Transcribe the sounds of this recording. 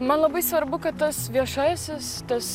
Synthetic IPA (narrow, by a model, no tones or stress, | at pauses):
mɐnlˠɐbɐɪsʋɐɾbʊkɐt̪t̪ɐsʋʲiɛʃɑːjɛsʲɪst̪ɐs